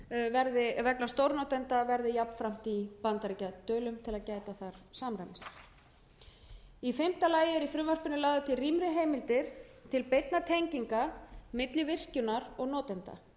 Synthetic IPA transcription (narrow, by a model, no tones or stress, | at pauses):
vɛɾðɪvɛknast̪owɾnɔt̪ɛnt̪avɛɾðɪjapn̥fɾam̥t̪ipant̪aɾicat̪œːlʏmt̪ʰɪlaðcaːjt̪aθaɾ̥saːmɾajmɪs | ifɪm̥t̪alaːjɪɾifɾʏmvar̥pɪnʏlaːɣðat̪ʰɪriːmɾɪɦejmɪlt̪ɪɾ̥t̪ʰɪlpejt̪nat̪ʰejɲciŋkamɪt̪lɪvɪr̥cʏnaɾɔɣnɔːt̪ɛnt̪a̰